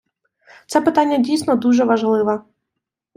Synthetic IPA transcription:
t̪sɛpɪt̪anʲːɐdʲijsnɔd̪uʒɛʋɐʒlˠɪʋɐ

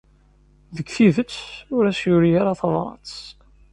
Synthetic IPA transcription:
ðəɡθiðət͡sːʊɾæsjʊɾiaɾaθɑðˤɾˤɑ̰t͡s

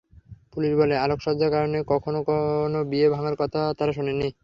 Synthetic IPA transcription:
puliʃbɔlealokʃɔd͡ʑʱakaɾonekɔkʰonokonobiebʱaŋaɾkɔt̪ʰat̪aɾaʃonenːi

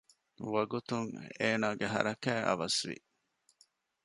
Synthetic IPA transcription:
ʋɐɡut̪uŋḛːnaːɡeɦɐ̰ɾɐkæːʔɐ̰ʋɐsʋḭ

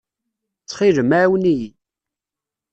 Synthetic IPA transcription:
t͡sːχiʒəmaʕwniji

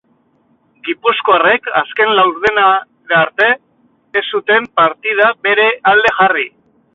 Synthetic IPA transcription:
ɡipusko̞are̞ka̰ske̞nlawɾðena | βeaɾt̪e̞ː | sut̪e̞mpaɾt̪ið̞aβe̞ɾe̞ald̪e̞ʝari

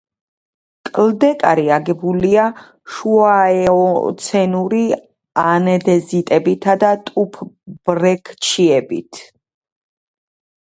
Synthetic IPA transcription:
kʼld̪ɛkʼaɾiaɡɛbulia | ʃuaɛɔt̪sʰɛnuɾi | anɛd̪ɛzit̪ʼɛbit̪ʰad̪at̪ʼupʰb̥ɾɛkʰt͡ʃʰiɛbḭt̪ʰ

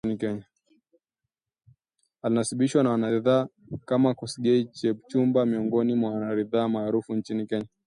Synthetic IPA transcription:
nikɛɲa | alinasiɓiʃwanawanaɾiðaː | kamakɔsiɡɛit͡ʃɛb̚t͡ʃumbamiɔŋɡɔnimwawanaɾiðaːmaːɾufunt͡ʃinikɛɲa

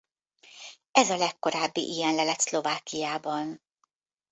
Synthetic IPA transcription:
ɛzɒlɛkːo̞ɾaːbːḭʔijɛnlɛlɛt̪slo̞vaːkijaːbɒn

